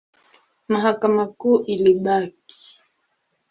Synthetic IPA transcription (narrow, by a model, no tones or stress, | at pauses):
maɦakamakuːʔiliɓaki̥